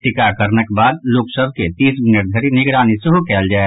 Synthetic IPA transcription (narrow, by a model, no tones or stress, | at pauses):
ʈɪkakəɾnəkbaːd̪loːksəb̚ʱket̪iːsmɪnəʈd̪ʱəɾinɪɡɾaːniseɦokɛːld͡ʒaːe